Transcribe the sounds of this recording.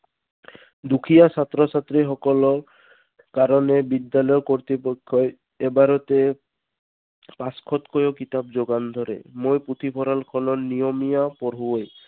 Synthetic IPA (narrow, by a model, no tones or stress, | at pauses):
d̪ukʰijasat̪ɾɔsat̪ɾiɦɔkɔlɔɾ | kaɾɔnebid̪ːalɔjɔkɔɾt̪ipɔkʰːɔ | ebaɾɔt̪e | paskʰɔt̪kɔjokit̪abd͡ʒoɡand̪ʱɔɾḛmojput̪ʰipʰɔɾalkʰɔlɔnijɔmijapɔɾɦuoj